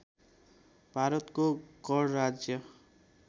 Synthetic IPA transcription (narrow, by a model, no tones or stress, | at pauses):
bʱaɾʌt̪koɡʌɽɾad͡zjʌ